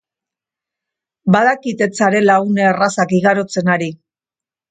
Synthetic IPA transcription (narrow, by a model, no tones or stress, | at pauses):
baðakit̪e̞t͡saɾe̞laɣuneːrasakiɣaɾo̞t͡se̞naɾi